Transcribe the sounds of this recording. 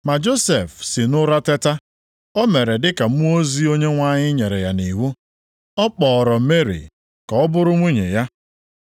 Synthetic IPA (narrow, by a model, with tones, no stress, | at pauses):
ma˨d͡ʒo˦se˨fsɪ˨nʊ˦ɾa˦te˦ta˦ | ɔ˦me˨ɾe˨dɪ˦ka˨m˦o˦zi˦o˦ɲe˦ŋʷa˦ɲɪ˦ɲe˨ɾe˨ja˨ni˨ɦu˦ | ɔ˦k͡pɔː˨ɾɔ˨m̩˦me˦ɾḭ˨ | ka˨ɔ˦bʊ˦ɾʊ˦ŋʷi˦ɲḛ˨ja˦